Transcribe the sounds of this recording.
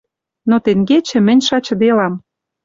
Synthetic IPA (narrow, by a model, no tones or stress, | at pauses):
not̪eŋɡet͡ɕɘ̆mɘ̆nʲʃɑt͡ɕɤ̆d̪elɑm